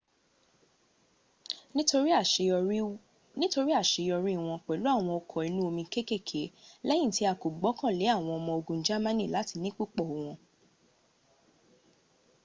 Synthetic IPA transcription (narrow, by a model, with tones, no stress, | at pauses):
o˧ɾi˦ | nĩ˦to˧ɾi˦a˦˨ʃe˨˧jɔ˧ɾi˦˨w̃ɔ̃˧k͡pɛ˨lu˦a˦˨w̃ɔ̃˧ɔ˧kʰɔ˨i˧nũ˦o˧mĩ˧ke˦ke˦˨kʰe˨˦lɛ˦jĩ˦˨ti˦a˨ko˨ɡ͡bɔ˨˦kã˦˨le˨˦a˦˨w̃ɔ̃˧ɔ˧mɔ̃˧o˧ɡũ˧n̩˦d͡ʒa˦mã˦nĩ˦˨la˨˦ti˧nĩ˦k͡pu˦k͡pɔ˦˨o˨w̃ɔ̃˧